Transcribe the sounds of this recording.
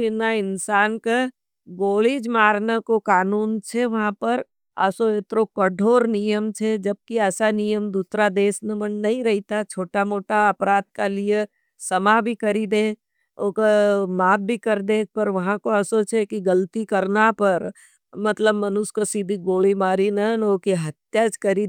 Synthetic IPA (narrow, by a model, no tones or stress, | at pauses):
ɪnaɪnsaːnke | ɡoːlid͡ʒmaːɾnakokaːnuːnt͡ʃʰeʋɐɦãpɐɾ | ə̰soet̪ɾokəɖʱoːɾnijəmt͡ʃʰed͡ʒɐb̚kiɛːsanijəmd̪uːsɾad̪eːsnemɐnnɐɦĩɾɐɦit̪at͡ʃʰoːʈamoːʈaɐpɾaːd̪̚kalije | sɐmabʱikɐɾid̪eː | oːkomaːb̚bʱikɐɾd̪eːk̚pɐɾʋɐɦãkoɐsot͡ʃʰekiɡɐlt̪ikɐɾnapɐɾ | mɐt̪ləbmɐnʊskosid̪ʱiɡoːlimaːɾinanoːkiɦɐt̪jad͡ʒkɐɾi